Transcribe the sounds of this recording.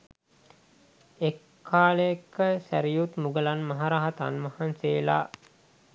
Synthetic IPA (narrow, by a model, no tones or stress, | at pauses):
ekʰːaːləekːəsæ̰ɾijut̪muɡəlanmɐɦaɾaɦat̪a̰nmɐhanseːla̰